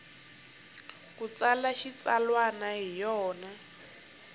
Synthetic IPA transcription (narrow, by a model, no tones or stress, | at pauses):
kut͡salaʃit͡salwanaɦijɔːna